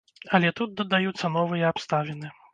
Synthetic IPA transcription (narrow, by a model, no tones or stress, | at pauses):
ɐlʲɛt̪ut̪̚d̪ɐd̪ajut̪sːɐnɔvɨjɐapst̪avʲɛnɨ